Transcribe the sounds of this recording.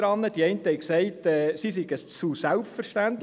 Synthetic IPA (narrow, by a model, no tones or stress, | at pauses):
ɾɑnːəd̥iɛɪntəhɛɪksɛɪtɛːsisiɡət͡susælpfəɾʃtænt